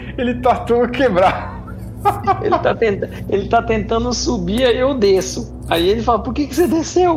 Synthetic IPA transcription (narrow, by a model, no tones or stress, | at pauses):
elɪt̪at̪õɐkebɾa | ḛlɪt̪at̪ẽnt̪ | elɪt̪at̪ẽnt̪ɐ̃nd̪ʊsubiɾaiʊd̪esʊ | aielɪfalɐpoɾkekɪsed̪esew